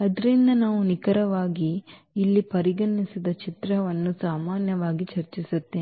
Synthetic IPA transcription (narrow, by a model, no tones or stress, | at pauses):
ɐd̪ɐɾind̪ɐnaːʋunikɐɾɐʋaːɡiː | lːipɐɾiɡɐɳːisid̪ɐt͡ʃit̪ɾɐʋɐnːusaːmaːnjɐʋaːɡit͡ʃɐɾt͡ʃisut̪ːeː